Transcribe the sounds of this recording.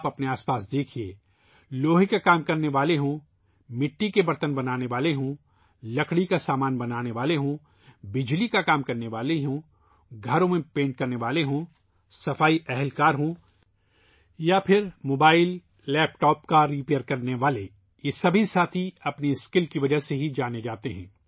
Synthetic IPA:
aːpɐpneaːspaːsd̪eːkʰieː | loːɦikakaːmkɐɾneʋaːleɦõː | mɪʈːikebɐɾt̪ənbɐnaːneʋaːleɦõː | lɐkɽikasaːmaːnbɐnaːneʋaːleɦõː | bɪd͡ʒlikakaːmkɐɾneʋaːleɦõː | ɡʱɐɾõmẽpẽːɳʈ̚kɐɾneʋaːleɦõː | sɐfaːiʔɛɦɛlkaːɾɦõː | japʰɪɾmoːbaːɪlː | ɛːpʈɔːpkaɾiːpeːəɾkɐɾneʋaːle | jesɐbʱisaːt̪ʰiɐpniɪskɪlkiʋɐd͡ʒəɦseɦid͡ʒaːned͡ʒaːt̪eɦɛ̰̃ː

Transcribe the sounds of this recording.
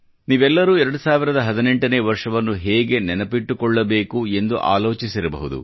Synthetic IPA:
niːʋɛlːɐɾuːɛɾɐɽusaːʋiɾɐd̪ɐɦɐd̪ine̞ɳʈɐneːʋɐɾʂɐʋɐnːuɦeːɡe̞nɛnɐpiʈːukɔɭːɐbe̞ːkue̞nd̪uʔa̰ːlo̞ːt͡ʃisiɾɐbɐ̰ɦud̪ṵ

